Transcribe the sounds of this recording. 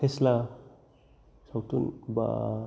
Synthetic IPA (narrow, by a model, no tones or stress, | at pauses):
esla | sawtunba̰